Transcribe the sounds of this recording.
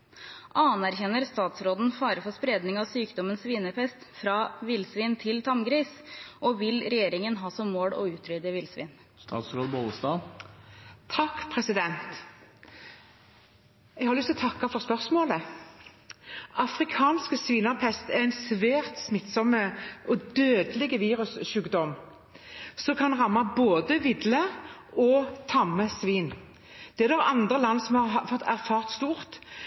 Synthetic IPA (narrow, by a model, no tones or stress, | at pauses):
ʔɑnæɾçɛnːəɾst̪ɑːt̪sɾoːd̪n̩fɑːɾəfɔspɾeːd̪nɪŋɑʋsyːkd̪ɔmənsʋiːnəpʰɛst̪fɾɑːʋɪlsʋiːnt̪ʰɪlt̪ʰɑmɡɾiːsʔɔːʋɪlɾɛjeːɾɪŋənɦɑːsɔmːoːɽɔ̰ʉːt̪ʰɾʏd̪əʋɪlsʋɪ̰ːnst̪ɑ̰ːt̪sɾoːd̪əboləst̪ɑː | t̪ʰɑkːpʰʁɛsɪd̪ɛnt̪ | ɛɡhɑɾlʏst̪ʰɔːt̪ʰɑkːɑfɔʁspœʁsmoːlə | ʔɑfɾɪkʰɑːnskəsʋiːnɑʁpʰɛst̪æʁæɪnsʋæːʁt̪smɪt̪sɔmːəɔd̪øːd̪əlɪɡəʋiːʁʉsʃʉːɡd̪ɔm | sɔkʰɑnʁɑmːɑboːd̪əʋɪd̪ləɔt̪ʰɑmːəsʋiːn | d̪̥ɛæʁd̪ɛʋɑnd̪ʁəlɑnːsɔmhɑʁɑfɔt̪æʁfɑːʁt̪st̪uːʁt̪